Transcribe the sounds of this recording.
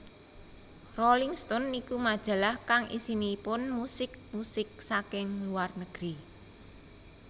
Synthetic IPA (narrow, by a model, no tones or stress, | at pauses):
rolɪŋst̪ɔnːikumad̥ʒ̥ä̤lahkaŋʔḭsinipʊnmusɪk̚musɪk̚sakɪŋluwarnəɡ̥ɾi